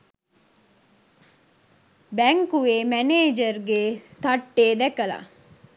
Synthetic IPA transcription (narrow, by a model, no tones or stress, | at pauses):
bæŋkuʋeːmæneːd͡ʒərɡet̪ɐʈːeːd̪ɛkəla̰